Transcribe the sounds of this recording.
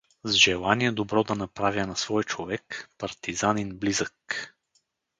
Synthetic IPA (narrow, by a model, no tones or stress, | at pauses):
zʒɛlˠaniɛd̪obɾɔd̪ɐnɐpɾavʲjənɐsvɔjt͡ʃovɛkpɐɾt̪izaninblizək